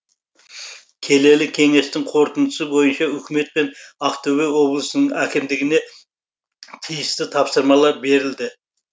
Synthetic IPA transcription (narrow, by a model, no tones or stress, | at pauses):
kʲʰe̞le̞lɪkʲʰe̞ŋe̞st̪ɪŋqʰo̞ɾt̪ənd̪ʰə̥səbo̞jənʃɑʏkʲɪme̞t̪̚penɑqt̪ʰɵwewo̞blˠəsənəɴækʲɪmd̪ɪɡʲɪne̞ | t̪ʰijɪst̪ɪt̪ʰɑpsəɾmɑlˠɑɾbe̞ɾɪld̪ɪ